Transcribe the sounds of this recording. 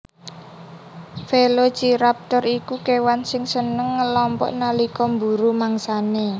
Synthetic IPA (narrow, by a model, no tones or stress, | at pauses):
felo̥d͡ʒ̥iɾap̚t̪ɔɾikukewansɪŋsənəŋːəlɔmpɔ̰ʔnalikɔmbuɾumaŋsane